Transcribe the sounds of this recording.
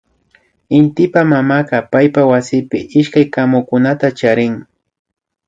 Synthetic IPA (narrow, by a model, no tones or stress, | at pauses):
ɪnt̪ɪpamamaqɑpajpawasɪpɪʔɪʃkajkamʊkʊnat̪at͡ʃaɾɪŋ